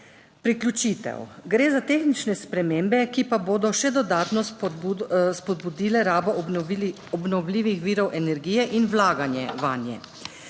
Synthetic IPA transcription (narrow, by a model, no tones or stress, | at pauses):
pɾiklʲjut͡ʃiːt̪ɛ̰wɡɾeːzat̪eːxnit͡ʃnɛspɾɛmeːmbɛkipaboːd̪ɔʃɛd̪ɔd̪aːt̪nɔ | spɔd̪̚bud̪iːlɛɾaːbɔʔ | ɔbnɔwliːʋixʋiːɾɔwʔɛnɛɾɡiːjɛʔinwlaːɡanjɛʋaːnjɛ̰